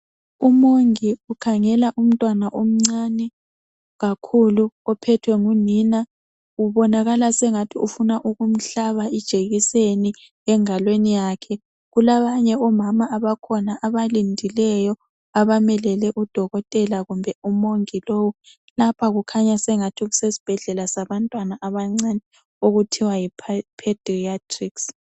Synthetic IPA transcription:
umoŋiukʰaŋɛlaʔum̩tʼwanaʔom̩ŋ͡ǀanɛ | ɣakʰuluɔpʰɛtʰwɛŋunina | uβɔnaɣalasɛŋatʰiʔufunaʔuɣum̩ɬaβaid̥ʒ̥ʱeɣiseni | ɛŋalwenijaːkʰɛ | ɣulaβaɲɛɔmamaaβakʰɔnaʔaβalindʱilɛjɔ | aβamɛlɛlɛʔud̥ʱɔɣɔtʼɛlaɣumbʱɛumoŋilowu | lapʰaɣukʰaɲasɛŋatʰiɣusesi̥b̥ʱɛɮɛlasaβantʼwanaʔaβaŋ͡ǀanɛ | oɣutʰiwajipʰad̥ʱiatʰriks

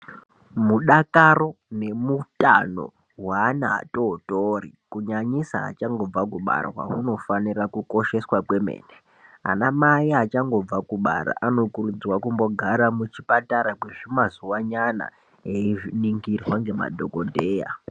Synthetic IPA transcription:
muɗakaro̞ne̞muta̰no̰ | ɦwaːnaa̰totorikuɲaɲisa̰ːt͡ʃaŋɡo̞b͡vak̬uɓa̰rwa̰uno̞fanirakuko̞ʃe̞swakwe̞mḛːne | a̰namaiat͡ʃaŋɡo̞b͡vakuɓa̰ɾa̰ʔano̞kurud͡zwakumbo̞ɡʱaɾamut͡ʃipataɾakweʐimazuwaɲana̰ | eiʐiniŋɡirwaŋɡe̞ma̰dʱo̞kodʱeːja̰

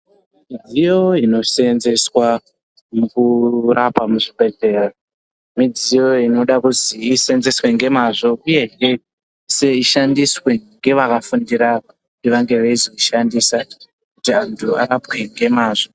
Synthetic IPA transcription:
mid͡zijo̞ino̞seenze̞swa | mukurapamuʐiɓe̞ɮe̞ːra | mid͡zijo̞ino̞ɗakuziːseenze̞swe̞ŋɡe̞maʐo̞uje̞ŋe | se̞iʃandiswe̞ŋɡe̞ʋakafundiɾaku | undiʋaŋɡe̞ʋeizo̞iʃandiːsa | kutiantʰua̰ɾapwe̞ŋɡe̞maːʐo̞

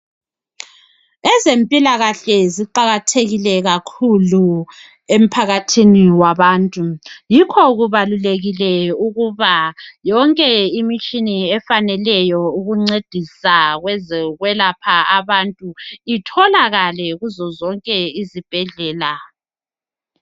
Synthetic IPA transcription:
ɛzempʼilaɣaɬɛziǃaɣatʰeɣilɛɣakʰulu | em̩pʰaɣatʰiniwaβaːntʼujikʰɔɣuβaluleɣilɛuɣuβajɔŋkʼɛimit͡ʃʼiniɛfanɛlɛjɔuɣuŋ͡ǀed̥ʱisaɣwɛzɛɣwɛlapʰaaβantʼuitʰɔlaɣalɛɣuzɔzɔŋkʼɛizib̥ʱɛɮɛːla

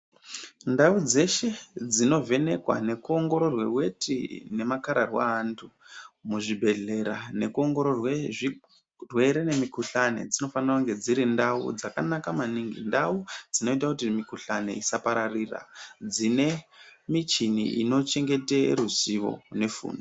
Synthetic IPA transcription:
ndaud͡ze̞ʃe̞d͡zino̞ve̞ne̞kwa̰ne̞kuo̞ŋɡo̞ɾo̞rwe̞we̞tʰḭne̞makaɾarwa̰ːntʰumuʐibʱe̞ɮe̞ɾanekuo̞ŋɡo̞ɾorwe | rwe̞ɾene̞mikuɬane̞̰d͡zino̞fanirakuŋɡe̞d͡ziɾindaṵd͡zakanakamaniŋɡḭndaud͡zino̞itakutimikuɬane̞̰isapaɾarira̰d͡zine̞mit͡ʃinḭʔino̞t͡ʃe̞ŋɡe̞teɾuziʋo̞̰ne̞fṵːndo

